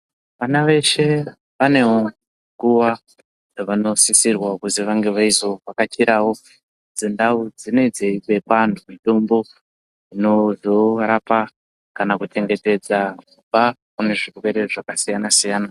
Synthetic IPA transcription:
ʋanaʋe̞ʃe̞ | ʋane̞wo | ŋɡuʋa | aʋano̞sisirwakuziʋaŋɡe̞ʋaizo̞ʋakat͡ʃiɾʔawo̞ | d͡zendaud͡zino̞id͡zeikepantʰumitombo̞ | ino̞zo̞ɾapa | kanakute̞ŋɡe̞te̞d͡zakubakune̞ʐirwe̞ɾe̞ʐakasijanasijaːna

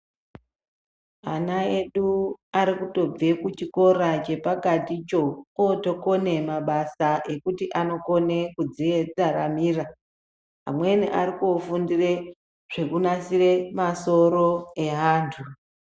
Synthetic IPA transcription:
anae̞ɗuaɾikuto̞b͡vekut͡ʃiko̞rat͡ʃe̞paɡʱatit͡ʃo̞oto̞ko̞ne̞maɓasaʔe̞kutiʔano̞ko̞nekud͡zied͡zaɾamiːra | ɦa̰mwe̞niʔaɾikuofundire | ʐ̥e̞kunasire̞maso̞ɾo̞e̞ɦaːntʰu

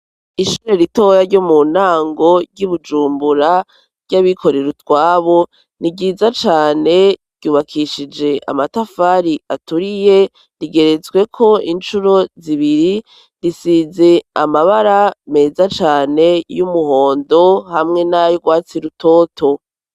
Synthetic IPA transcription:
iʃuɾeɾito̞jaɾɟomunaːŋɡo̞ɾɟuβud͡ʒuːmbuɾa | ɾɟ̥aβikʰo̞ɾe̞ɾutwaːβo̞ | niɟiːzat͡ʃaːne̞ɾ̥ɟ̥uːβakʰiʃid͡ʒe̞ʔa̰matafaɾiʔatuɾije | ɾiɡe̞ɾe̞zɡwe̞kʰo̞int͡ʃuɾo̞ziβiɾi | ɾisize̞amaβaɾame̞ːzat͡ʃaːne̞jumuɦoːndo̞hamŋe̞najoɡwaːt͡siɾutʰo̞ːtʰo̞

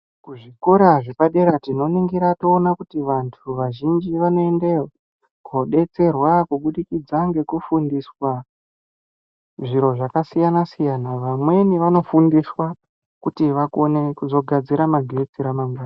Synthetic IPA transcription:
kuʐiko̞ɾaʐepaɗe̞ɾatino̞niŋɡiɾatoːnakutiʋantʰuʋaʒind͡ʒiʋano̞endea | koɗe̞t͡se̞rwakuɓuɗikid͡zaŋɡe̞kufundiswa | ʐiɾo̞ʐakasijanasijanaʋamwe̞niʋano̞fundiswa | kutiʋakonekuzo̞ɡʱad͡ziɾamaɡʱe̞d͡ziɾamaŋɡwaːna

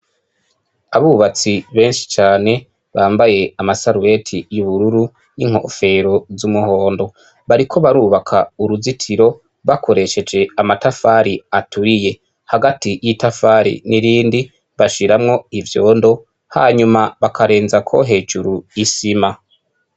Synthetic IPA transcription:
aβuβat͡siβe̞ːnʃi̥t͡ʃaːne̞ | βaːmbaje̞amasaɾuwe̞tʰijuβuɾuɾu | niŋ̥ho̞̰fe̞ɾo̞zumuho̞ːndo̞ | βaɾikʰo̞βaɾuβakʰauɾuzitʰiɾo̞ | βakʰo̞ɾe̞ʃe̞d͡ʒe̞amatafaːɾiatʰuije̞ | haɡatijitafaːɾḭniɾiːndi | βaʃiɾamŋo̞ivjo̞ːndo̞ | ha̰ːɲumaβakʰaɾe̞ːnzakʰo̞̰ɦe̞ːd͡ʒuɾuisima

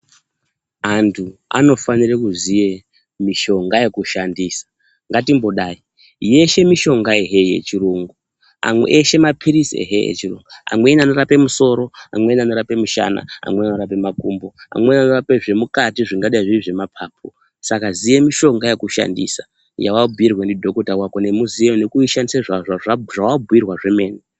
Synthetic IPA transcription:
antʰua̰no̞fanirekuzije̞ | miʃo̞ŋɡaje̞kuʃandiːsḁ | ŋɡatimbo̞ɗaːi | je̞ʃe̞miʃo̞ŋɡaeɦeje̞̰t͡ʃiɾoŋɡu | a̰mwḛʔeʃe̞mapʰiɾisḛɦḛjḛt͡ʃiro̰ŋɡua̰mwe̞niano̞ɾape̞muso̞ɾo̞amwe̞niano̞ɾape̞muʃa̰na̰a̰mwe̞nanoɾape̞makumbo̞a̰mwe̞nanorape̞ʐe̞mukatiʐiŋɡaɗaiʐiʐe̞mapʰaːp̚ʰo | sakazijemiʃo̞ŋɡajekuʃa̰ndḭsa | jawabʱujirwenidʱo̞kotawako̞ne̞muzijonekuiʃandiseʐaʐaʐaʐawabʱuirwaʐe̞me̞ːni

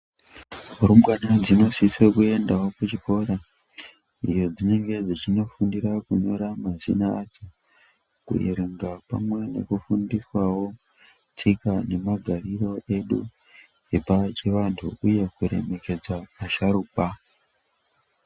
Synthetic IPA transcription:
uɾumɡanad͡zino̞sisekue̞ndawo̞kut͡ʃipo̞ɾa | ḭjo̞d͡zine̞ŋɡe̞d͡zit͡ʃino̞fundiɾakuɲo̞ɾamazḭnaːd͡zi | kṵiɾiŋɡapa̰mwe̞ne̞̰kufundiswawo̞ | t͡sikane̞maɡʱariro̞ʔe̞ɗu | epat͡ʃeʋantʰuuje̞kuɾe̞̰me̞ke̞d͡zaaʃaɾupa

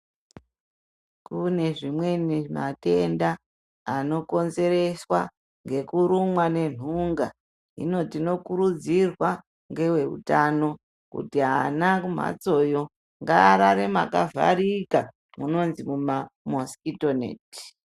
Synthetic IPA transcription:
kune̞ʐimwe̞nima̰te̞ndaː | no̞ko̞nze̞re̞swa | ŋɡe̞kuɾumwane̞n̤uŋɡa | ḭno̞tino̞kuɾud͡zirwa | ŋɡe̞we̞ṵtano̞ | kṵtianakum̤a̰t͡so̞jo̞ | ŋɡaːɾaɾemakava̰ɾika | muno̞nzimumamoskitonḛti̥

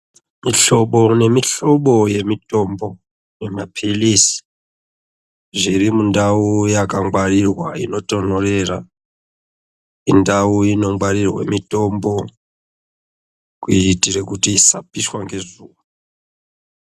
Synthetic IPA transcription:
miɬo̞ɓone̞miɬoɓo̞je̞mitʼo̞mbo̞ | nemapʰilisi̥ | ʐirimundaujakaŋɡwarirwaḭno̞to̞n̤orera̰ | indauino̞ŋbwaɾirwḛmitombo | kutirekutiːsapiswaŋɡe̞zuːwa

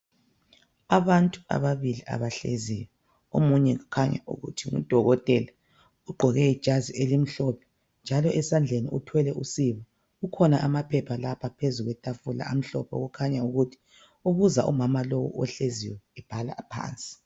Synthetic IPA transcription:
aβantʼu̥a̰βaβiliʔa̰βaɬḛzijɔ | o̰muɲɛɣukʰaɲa̰ʔṵɣṵtʰiŋṵd̥ʱɔɣɔtʼɛla | uɡ͡ǃʱɔɣɛid̥ʒ̥ʱazielim̩ɬɔpʰɛ̥ | nd͡ʒʱalɔʔɛsand͡ɮʱenḭutʰwɛlɛʔusiβa | ukʰɔnaʔamapʰɛpʰalapʰapʰezuɣwɛtʼafula̰am̩ɬɔ̰pʰɔ̰ɣukʰaɲauɣutʰi̥ | uβuzaʔumamalɔwṵɔɬeziwɛɛb̥ʱala̰pʰa̰ːnt͡sʼi̥

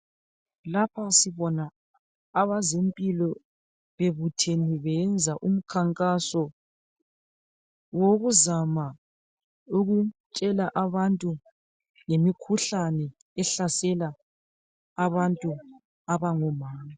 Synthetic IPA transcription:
lapʰasiβɔnaː | βazempʼilɔ | βeβutʰeniβɛnd͡zʱaʔum̩kʰaŋkʼasɔ | woɣuzama | uɣut͡ʃʼɛlaʔaβantʼu | ŋemikʰuɬanɛ | ɛɬasɛlaː | βantʼu | aβaŋɔmaːma

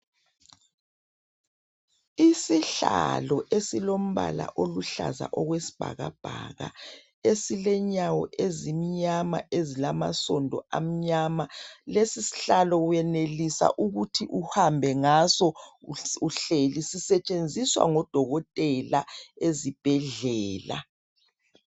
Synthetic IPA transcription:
isiɬa̰lɔʔesilom̩βa̰la̰ʔoluɬa̰za̰ʔɔɣwesi̥b̥ʱa̰ɣa̰b̥ʱa̰ɣa̰ | esilɛɲawɔʔezimiɲama̰ʔezilama̰sɔndʱɔa̰m̩ɲamalesisi̥ɬalɔwjɛnelisa̰ʔuɣutʰiʔuhambʱɛŋasɔ | uɬelisisɛt͡ʃʼend͡zʱiswa̰ŋɔd̥ʱɔɣɔtʼɛlaezib̥ʱɛɮɛːla̰

